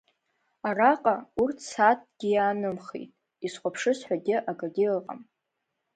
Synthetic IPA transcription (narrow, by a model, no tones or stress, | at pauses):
araqʼaurtʰsat̚ʰʼɡ̥ʲɪjaːnɨmχḛjtʼ | isχʷʼapʰʂɨsħʷᶣaɡʲɪʔaɡaɡʲilqʼa̰m